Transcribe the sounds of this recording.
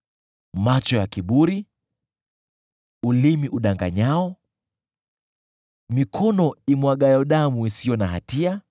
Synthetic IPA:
mat͡ʃɔjakiɓuɾi | ulimiʔuɗaŋɡa̰ɲaɔ | mikʰɔnɔimwaɠajɔɗamuisijɔnaɦa̰tia

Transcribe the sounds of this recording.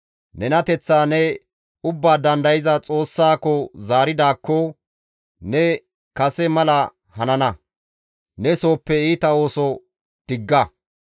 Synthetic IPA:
nɛnɐt̪ɛt͡sːaːnɛ | ʊbːaːd̪ɐnd̪ɐjɪzɐt͡sʼo̞ːsːaːkːɔzaːɾɪd̪aːkːɔ | nɛ | kɐsɛmɐlɐ | hɐnɐnɐ | nɛso̞ːpːɛiːt̪ɐo̞ːsɔ | d̪̥ɪɡːɐ

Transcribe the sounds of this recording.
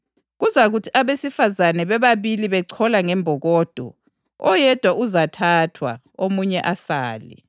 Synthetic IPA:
ɣuzaɣutʰi̥ʔaβesifazanɛβɛβaβiliβɛǀʰɔlaŋɛmbʱɔɣɔːd̥ʱɔ̰ | ɔjɛd̥ʱwaʔuzatʰatʰwa̰ | omuɲɛʔasaːlḭ

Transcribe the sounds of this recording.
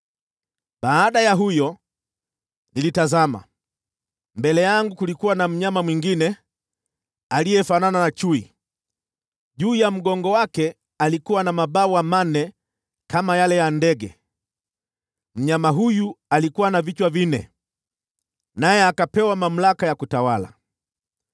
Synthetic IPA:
ɓaːɗajaɦujɔ | nilitazama̰ | mbɛlɛjaŋɡukulikuwanam̩ɲamamwiŋɡinɛ | alijɛfanananat͡ʃuḭ | ʄuːjam̩ɡɔŋɡɔwakɛ | alikuwanamaɓaɔwamanɛ | kamajalɛjandɛɡɛ̰ | m̩ɲamaɦujualikuwanavit͡ʃwavinɛ̰ | najɛakapɛwamam̩lakajakutawala̰

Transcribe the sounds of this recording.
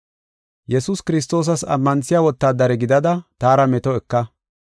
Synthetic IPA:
jɛsuskɪɾɪs̬t̪o̞ːs̬ɐsɐ̰mːɐnsɪjaːwɔt̪ːaːd̪ɐɾɛɡɪd̪ɐd̪ɐt̪aːɾɐmɛt̪ɔɛkːɐ

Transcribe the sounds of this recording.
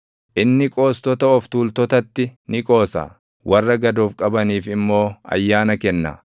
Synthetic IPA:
ʔɪnːɪkʼo̞ːst̪ɔt̪ɐɔft̪uːlt̪ɔt̪ɐt̪ːɪnɪkʼo̞ːsa̰ː | wɐrːɐɡɐd̪oːfkʼɐbɐniːfɪmːo̞ːɐ̰jːaːnɐkɛnːa̰

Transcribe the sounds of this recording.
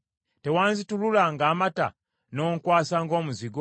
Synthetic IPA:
te̞waːnzitululaŋɡaːmata̰ | no̞ːŋkwaːsaŋɡo̞ːmuziɡo

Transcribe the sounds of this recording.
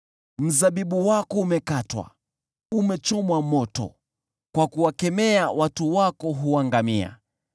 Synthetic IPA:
m̩zaɓiɓuwakɔumɛkatwa̰ | umɛt͡ʃɔmwamɔtɔ̰ | kwakuwakɛmɛawatuwakɔɦuwaŋɡamia̰

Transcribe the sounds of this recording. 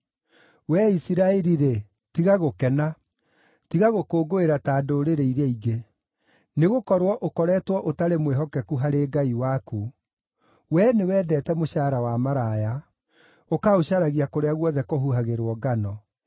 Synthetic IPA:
wɛisiɾaɛɾiɾe | tiɣaɣokɛna | tiɣaɣokoːɡoeɾataːdoːɾeɾeiɾeiɡe | neɣokɔɾwɔʔokɔɾɛtwɔʔotaɾemweɦɔkɛkuɦaɾeːɡaiwaku | wɛnewɛːdɛtɛmoɕaːɾawamaɾaːja | okaoɕaɾaɣiakoɾeaɣwɔðɛkoɦuɦaɣeɾwɔɡanɔ

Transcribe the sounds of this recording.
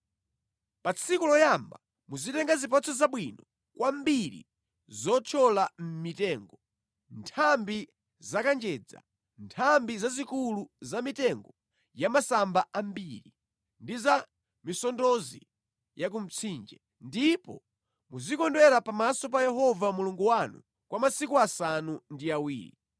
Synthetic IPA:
pat͡sʰikulɔjamba | muzitɛŋɡazip̬at͡sʰɔzaɓwinɔ | kwambiɾḭ | zɔt͡ʃʰɔlam̩mitɛːŋɡɔ | ntʰambi | zakand͡ʒɛd͡za̰ | ntʰambizazikuluzamitɛŋɡɔ | jamasambaʔambiɾi | ndiza | misɔndɔzḭ | jak̬um̩t͡sʰiːnd͡ʒɛ | ndipɔ̰ | muzikɔndwɛɾapamasɔp̬ajɛɦɔvamuluŋɡuwanṵ | kwamasikuasanundiawḭːɾḭ

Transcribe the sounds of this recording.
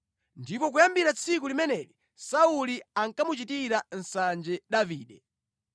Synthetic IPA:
ndipɔk̬ujambiɾat͡sʰikulimɛnɛɾi | sauliaŋkamut͡ʃitiɾan̩sand͡ʒɛɗaviːɗɛ

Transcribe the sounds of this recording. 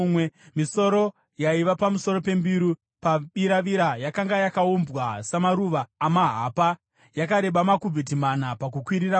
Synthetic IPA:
wemiso̞ɾo̞ | jaiʋapamuso̞ro̞pe̞mbiɾu | paɓiɾaʋiɾajakaŋɡajakaumbwasamaɾuʋaːmaɦaːpa | jakaɾe̞ɓamakubit̬imanapakukwiɾira

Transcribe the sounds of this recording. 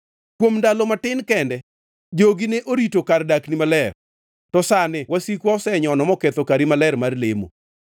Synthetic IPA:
kwomndalɔmatɪnkɛndɛ | d͡ʒoɡineʔoɾitokardaknimalɛr | tɔsanɪwasikwaɔsɛɲɔnɔmɔket̪okaɾimalɛɾmarlemo̰

